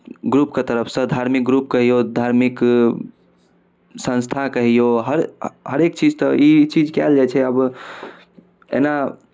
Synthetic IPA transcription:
ɡɾupket̪əɾəpʰsə̃d̪ʱaɾmik̚ɡɾup̚kəɦijod̪ʱaɾmik | sə̃nst̪ʰakəɦijoɦəɾɦəɾekt͡ʃid͡ʒt̪ɔit͡ʃid͡ʒkɛ̰ld͡ʒat͡ʃʰɛəb | ḛna

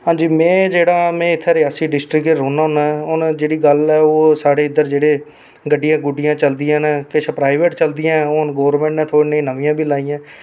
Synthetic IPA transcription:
ɦãːɲd͡ʒiːmɛ̃ːd͡ʒeːɽaːmɛ̃ːɪt̪ʰːɛːɾɪjaːsiːɖɪsʈɾɪkeoːnaːɦʊnaːɛʊnd͡ʒeːɽiːɡəlɛːoːsaːɽeːɪd̪əɾd͡ʒeːɽeː | ɡəɖːɪjãːɡʊɖɪjãːt͡ʃəld̪ɪjãːnɛ̃ːkɪsəpɾaːɪʋeːʈt͡ʃəld̪ɪjãːoːnɡoːɾmɛ̃ːɳʈnɛ̃ːt̪ʰoːɽiːneĩːnəʋɪjãːbʱiːlaːijãː

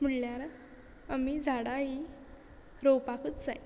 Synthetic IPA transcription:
m̤əɳljaɾa | amid͡zʱaɽaɦi | ɾowpakət̪t͡sa̰j

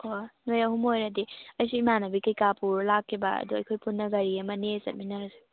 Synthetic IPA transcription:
onojahumojɾɐdiɐjsuimanɐbikɐjkapuɾlakʰːibɐɐ̰duɐ̰jkʰojpʰunːɐɡɐɾiɐmɐnesɐt̚minɐɾse̥

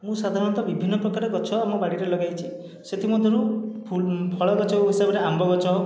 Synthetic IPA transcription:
mũsad̪ʱaɾɔnt̪ɔbibʱinːɔpɾɔkaɾɔɡɔt͡ʃɔamɔbaɽiɾelɔɡajt͡ʃʰi | set̪ʰimɔd̪ʱɔɾu | pʰɔɭɔɡɔt͡ʃɔuɦisabɔɾeʔambʱɔɡɔt͡ʃɔ

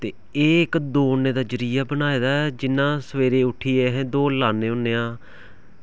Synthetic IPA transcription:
t̪eː | eːɪkd̪oːneːd̪aːd͡ʒəɾiːjaːbənaːeːd̪aːɛd͡ʒɪnːãːsəʋeːɾeːʊʈʰːiːɛːɦɛ̃ːd̪oːlaːnːẽːʊnːeːãː

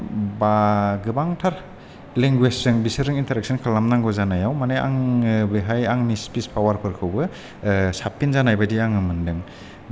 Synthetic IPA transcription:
baɡɯbaŋtʰaɾ | leŋɡweszɯŋbisɯɾɯŋintʰaɾek̚sʰɯnkʰalamnaŋɡɔzanajawmanaja̰ŋbɯɦajaŋnispispʰawaɾpʰɯɾkʰɯwbɯ | sapʰːinzanajbadiaŋɯmɯndɯŋ

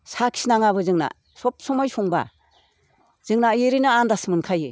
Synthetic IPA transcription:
sakʰi̥snaŋaβɯzɯŋna̰ | sɔp̚sɔmajsuŋba̰ | z̥ɯŋnajeɾinaandasmɯnkʰaje

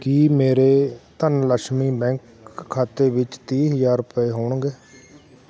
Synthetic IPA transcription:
kiːmeːɾeːt̪ənləkʃmiːbɛ̃ːŋkʰː | aːt̪eːʋɪt͡ʃt̪iːɦəd͡ʒaːɾʊpeːɦoːɳɡeː

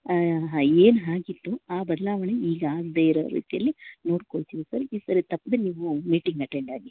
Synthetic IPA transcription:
ɦaeːnɦaːɡit̪ːuaːbɐd̪ɐlaːʋɐɳeiːɡɐaːɡd̪eːjiɾɐ̰ɾḭːt̪ijɐ̰lːino̞ːɽkoɭt̪iʋisɐɾiːsɐɾit̪ɐpːd̪eniːʋumiːʈiŋɡɐʈeɳɖaːɡi

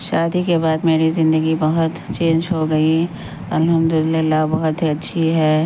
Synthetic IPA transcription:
ʃaːd̪ikebaːd̪meːɾizɪ̃nd̪əɡibɐɦʊt̪t͡ʃẽːnd͡ʒɦoɡɐi | ɐlɦɐmd̪ʊɪlɪlːabɐɦʊt̪ɦiɐtːʃʰiɦɛː

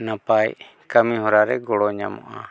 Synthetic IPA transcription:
napaj | kamĩɦɔɾaɾɛɡɔɽɔɲa̰mɔ̰ʔa

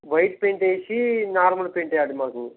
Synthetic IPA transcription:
ʋɐjʈ̚peɳʈeːʃinaːɾmɐlupeɳʈɛjaːɽimaːku

